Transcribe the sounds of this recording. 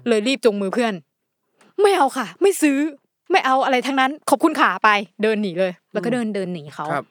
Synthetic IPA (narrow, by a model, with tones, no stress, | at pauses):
lɤː˧jɾiː˥˩p̚t͡ɕo˧ŋmɯː˧pʰɯ˥˩ən | ma˥˩jʔa˧wkʰa˥˩ma˥˩jsɯː˦˥ | ma˥˩jʔa˧wʔa˧ɾa˧jt̪ʰaː˧ŋna˦˥nkʰɔ˨˩p̚kʰu˧nkʰaː˨˩˦pa˧jdɤː˧nːiː˩˦lɤː˧jlɛː˧˦˥kɔː˥˩dɤː˧ndɤː˧nːiː˩˦xʰa˦˥w̚